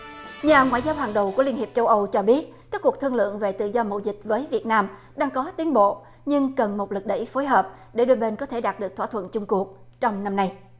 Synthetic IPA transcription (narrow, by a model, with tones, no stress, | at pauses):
ɲaː˨˩ŋwa̰˧˨jzaː˧wɦaː˨˩ŋɗə˨˩wku˧˩əli˧ənhi˨˩p̚t͡ɕə˧wʔə˧wt͡ɕɔ˧ɓi˦˥ət̚kaː˦˥kːu˨˩ək̚t̪ʰɨ˧əŋlɨ̰˧˨əŋve˨˩t̪ɨ̰˧˨zɔ˧mo̰˧˨wzï˨˩k̟̚vəː˨˦jvi˨˩ət̚naː˧m | ɗaː˧ŋkɔ˨˦t̪i˨˦ənɓo̰˧˨ | ɲɨ˧ŋkə˨˩nmo˨˩t̚lɨ˨˩k̚ɗə̰˧˩jfo˨˦jɦəː˨˩p̚ | ɗe˧˩ɗo˧jɓe˧nkɔ˨˦t̪ʰe˧˩ɗaː˨˩t̚ɗɨ˨˩ək̚t̪ʰwːt̪ʰwə̰˧˨nt͡ɕʊ˧ŋ͡mku˨˩ək̚ | t͡ɕɔ˧wŋ͡mna˧mna˧j